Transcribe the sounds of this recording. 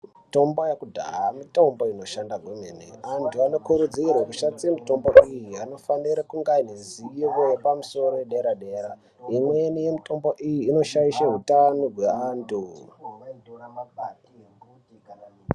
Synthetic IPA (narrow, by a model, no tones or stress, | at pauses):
mito̞mbojakudʱa̰ɦamito̞mboino̞ʃandaɡʱwemenḛantʰuano̞kuɾud͡zirekuʃat͡siemito̞mboʔijiano̞faniɾakuŋɡainiziiʋo̞jepamuso̞ɾo̞jeɗeɾaɗe̞ːɾa | imwenijemito̞mboʔijiːno̞ʃaiʃaɦutanoɡweantʰu